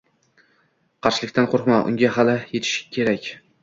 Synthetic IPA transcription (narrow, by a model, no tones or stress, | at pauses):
qʰɑɾʃɪlɪkʲt̪ʰanqʰoɾqmaʔʊ̰ŋɡʲaɦalɪjet̪ʰɪ̥ʃɪ̥kʲʰe̞ɾakʲ